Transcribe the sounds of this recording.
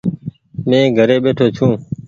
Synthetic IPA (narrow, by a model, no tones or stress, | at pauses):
mẽːɡʱəɾeːɓeːʈʰoːt͡ʃʰũː